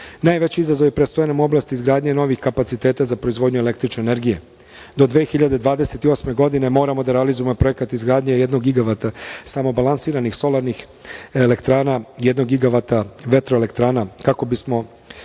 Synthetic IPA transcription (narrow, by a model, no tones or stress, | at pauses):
naːjʋe̞t͡ɕiizazoʋipɾest̪ojanamuo̞blˠaːst̪izɡɾaːd̪ɲeno̞ʋixkapat̪sit̪e̞ːt̪azapɾo̞izʋo̞ːd̪ɲue̞le̞kt̪ɾit͡ʃne̞ne̞ɾɡije | d̪o̞d̪ʋe̞ːxiʎad̪e̞d̪ʋaːd̪eset̪io̞ːsme̞ɡo̞d̪ine̞mo̞ːɾamo̞d̪aɾealizuje̞mopɾo̞ekat̪izɡɾaːd̪ɲeje̞d̪noɡɡiɡaʋat̪asamo̞balˠansiːɾanixso̞lˠaɾnix | elekt̪ɾaːnaije̞d̪no̞ɡɡiɡaʋat̪aʋe̞t̪ɾo̞ele̞kt̪ɾaːnakako̞bismo̞